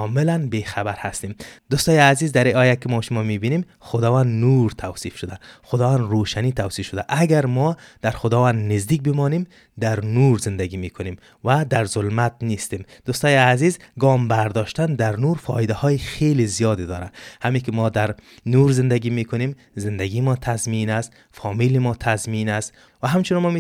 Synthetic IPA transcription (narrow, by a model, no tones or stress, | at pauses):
kɔmɪlanbexabaɾhast̪imd̪ust̪ɔjeazizd̪aɾiɒjakɪmɔʃʊmɔmibinim | xʊd̪ɒvand̪nuɾt̪ʰawsifʃʊd̪axʊd̪ɒvand̪ɾoʃanit̪ʰawsifʃʊd̪aʔaɡaɾmɔd̪̥aɾxʊd̪ɒvand̪nɪzd̪ik̚bɪmɔnim | d̪aɾnuɾzɪnd̪aɡimikʰʊnim | vad̪aɾzʊlmat̪nist̪imd̪̥ust̪ɔjiazizɡɒmbaɾd̪ɔʃt̪and̪aɾnuɾfɒ̰id̪ahɔjixelizijɒd̪ɪd̪ɒ̰ːɾa̰hamikɪmɔd̪aɾnuɾzɪnd̪aɡimekʊnem | zɪnd̪aɡimɔt̪ʰazminast̪ | fɒmilimɔt̪ʰazminast̪ | vaɦamt͡ʃunɔmɔm